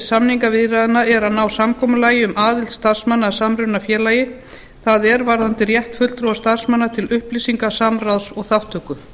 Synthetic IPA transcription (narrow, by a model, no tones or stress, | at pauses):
samniŋkavɪðɾaðnaɛɾaðnaːwsamkʰɔːmʏlaːjɪʏmaːðɪlt̪st̪aɾ̥smanːasamɾʏnafjɛːlajɪ | θaðɛɾvaɾðant̪ɪrjɛht̪fʏlt̪ɾɔwast̪aɾ̥smanːat̪ʰɪlʏhplisiŋkasamraðsɔɣθaft̪ʰœːkʏ